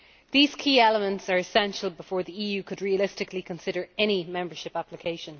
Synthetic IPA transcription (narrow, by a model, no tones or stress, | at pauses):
ðiːz̥kʰiːɛləmə̃ntsə˞ɪsɛ̃nʃəlˠbɪfɔːɹðiiːjʉːkʰədɹiəlɪstɪklikʰə̃nsɪɾə˞ɛñimɛ̃mbə˞ʃɪpaplɪkʰeɪʃə̃n